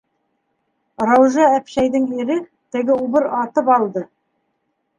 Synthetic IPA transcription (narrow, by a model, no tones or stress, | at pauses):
rɑwʒɑæpʃæjd̪ɘŋiɾɘ | t̪ɘ̆ɡɘubɘɾɑt̪ɤpɑlˠd̪ɤ